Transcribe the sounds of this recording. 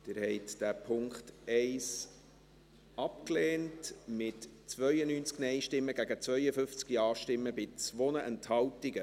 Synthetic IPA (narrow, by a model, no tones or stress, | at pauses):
d̥ɪɾhɛɪtd̥æpʰʊŋkχtɛɪs | ɑpkleːntmɪtt͡sʋœʏənyːnt͡sknɛjʃtɪmːəɡ̥æɡət͡svœʏəfʏft͡skiɑːʃtɪmːəbɪt͡sʋonəʔɛnthɑwtiɡə